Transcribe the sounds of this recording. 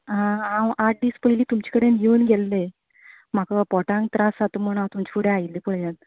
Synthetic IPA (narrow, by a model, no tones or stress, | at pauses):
ɦããwʔaʈ̚ɖiːspəɦiliːt̪umt͡ɕi̥kəɽend͡ʑiunɡʱelːe | m̤akapɔʈãŋɡt̪ɾasat̪um̤əɽ̃at̪umt͡ɕipuɽẽailːipəɭjãt̪